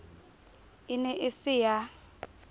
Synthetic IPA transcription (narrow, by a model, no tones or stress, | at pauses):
ɪnɛʔɪsɪja